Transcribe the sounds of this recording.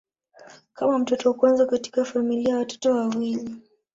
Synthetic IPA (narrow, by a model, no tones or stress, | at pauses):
kamam̩tɔtɔukwanzakati̥kafamiliajawatɔ̥tɔwawili